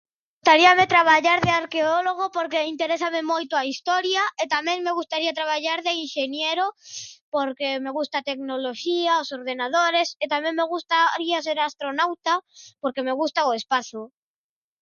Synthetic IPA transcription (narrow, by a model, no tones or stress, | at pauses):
ust̪aɾiamet̪ɾaβ̞aʎaɾðeaɾkeoloɣ̞opoɾkeint̪eɾesamemojt̪ʊaist̪oɾjaet̪amẽŋmeɣust̪aɾiat̪ɾaβaʎaɾðeinʃenjeɾopoɾkemeɣust̪at̪eknoloʃiaosoɾðenað̞oɾeset̪amẽŋmeɣust̪aɾiaseɾast̪ɾonawt̪apoɾkemeɣust̪aoespaθo